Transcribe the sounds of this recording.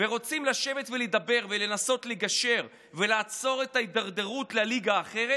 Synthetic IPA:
veʁo̞t͡simlaʃe̞vet̪veled̪abe̞ʁvele̞naso̞tleɡaʃe̞ʁ | ve̞laːt͡so̞ʁe̞taid̪aʁd̪e̞ʁutlaliɡaːχe̞ʁe

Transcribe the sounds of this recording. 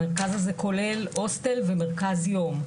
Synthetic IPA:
eʁkazazeko̞le̞lostelvemeʁkazjo̞m

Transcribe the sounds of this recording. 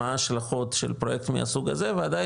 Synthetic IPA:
aːʃlaχo̞tʃḛlpʁo̞je̞kt̪mḭa̰suɡaze̞veada

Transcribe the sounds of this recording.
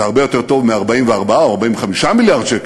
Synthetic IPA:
haʁbejo̞t̪eʁt̪ovmeaʁbaimveaʁbaaoaʁbaimveχamiʃamiljaʁd̪ʃek

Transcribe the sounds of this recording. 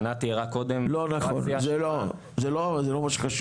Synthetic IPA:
nat̪iʁakod̪emlo̞naχo̞̰nzelo | zelozelomaʃe̥kaʃ

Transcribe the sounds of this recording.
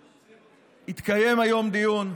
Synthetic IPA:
it̪kaje̞majo̞md̪ijun

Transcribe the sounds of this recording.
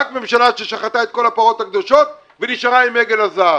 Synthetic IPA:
akme̞mʃalaʃeʃaχat̪ae̞t̪̚ko̞lapaʁo̞t̪hakd̪o̞ʃo̞t̪̚ | veniʃʁaimeɡelaza

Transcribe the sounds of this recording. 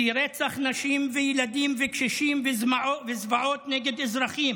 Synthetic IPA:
iɾet͡saχnaʃimvejelad̪imvekʃeʃimvezmaovezvaʕo̞t̪neɡed̪ezɾaχim

